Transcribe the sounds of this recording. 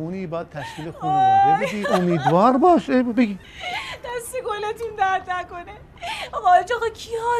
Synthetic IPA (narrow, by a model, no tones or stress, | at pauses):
uːniːbɒːd̪̚t̪ʰæʃkiːlexunud̪ebed̪iːomiːd̪vɒːɾbɒːʃebeɡʲiː | d̪̥æst̪ekolɑt̪und̪æt̪nækone | ɒɣd͡ʒɑɣɒkʰiɒ